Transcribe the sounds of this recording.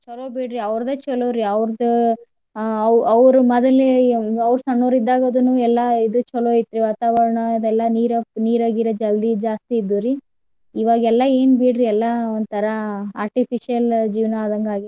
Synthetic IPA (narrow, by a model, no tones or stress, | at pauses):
t͡ʃɔloːbiːɽɾiɐʋɾd̪et͡ʃɔloːɾiɐʋɾd̪ɐ | ɐɐʋɾumɐd̪ɐleɐʋɾusɐɳːoːɾid̪ːaːɡoːd̪unuɛlːɐid̪ut͡ʃɔloːit̪ːɾiʋaːt̪aːʋɐɾɐɳɐid̪ɛlːɐniːɾɐniːɾaːɡiɾɐd͡ʒɐld̪id͡ʒaːst̪iːd̪ːuɾi | iːʋaːɡɛlːɐe̞ːnbiːɽɾiɛlːɐond̪t̪ʰɐɾɐaːɾʈipʰiʂijɐld͡ʒiːʋnɐːd̪ɐŋɡaːɡi